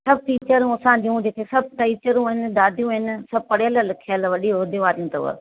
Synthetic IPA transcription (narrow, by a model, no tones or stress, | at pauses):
sɐb̚ʱʈiːt͡ɕəɾũɐsãːd͡ʑiũd͡ʑeːkʰesɐb̚ʈɐit͡ɕəɾũɦɪnd̪aːd̪ʱijũɦɪnsɐb̚pɐɽejələlɪkʰiəlʋɐɗioːd̪ʱeʋaːɾijũt̪ɐ̰ʋə̰